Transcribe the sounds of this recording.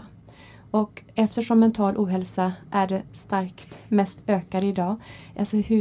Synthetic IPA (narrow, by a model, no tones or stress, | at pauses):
ɔkɛft̪əʂɔmːɛnt̪ʰɑːlʔuːɦɛlsaʔæɖɛst̪aɾkt̪mɛst̪øːkaɾəɪd̪ɑːʔasɔhʉ